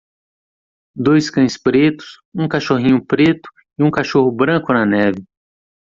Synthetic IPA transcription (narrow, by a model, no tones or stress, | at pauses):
d̪ojskɐ̃j̃spɾet̪ʊ̥s | ũkaʃoɦĩɲʊpɾet̪ʊ̥ | ɪũkaʃoɦʊbɾɐ̃kʊnɐnɛvɪ